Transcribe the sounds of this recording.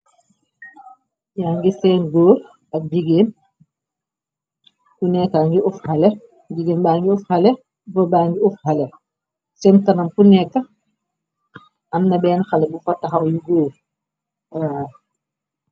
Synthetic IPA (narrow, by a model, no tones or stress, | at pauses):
jaŋɡisɛːnɡoːɾ | ɐk̚biɡeːn | kunɛkːaŋɡiʔufxalɛ | biɡeːnbaːŋɡiufxalɛ | bɔbaːŋɡiufhalɛ | sɛntɐnɐmkunɛkːɐ | ɐmnɐbɛːnxalɛbufɐtːɐxawjuɡoːɾ | a